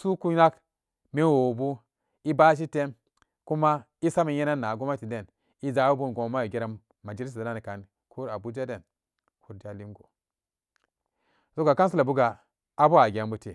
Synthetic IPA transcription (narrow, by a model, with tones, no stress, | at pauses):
su˦ku˦na˦k | me˦wo˨bu˦ | i˦ba˦ʃ̬i˦te˦m | ku˦ma˦ | i˦sa˦mi˨je˦na˦nːa˨ɡu˦ma˦ti˨de˨n | i˦za˨˦u˦bu˦n˨ɡo˨ma˦jo˨ɡe˦ɾa˨ | ma˨d͡ʒi˦li˦s̬a˨na˦ni˨ka˨n | kʰu˦ɾa˨bu˦d͡ʒa˦de˨n | kʰu˦ɾda˨li˦mɡo̰˨ | zo˦ɡa˨ka˦ns̬u˦la˨bu˦ɡa˨ | a˦bu˦a˨ɡʲa˨mbu˦te˨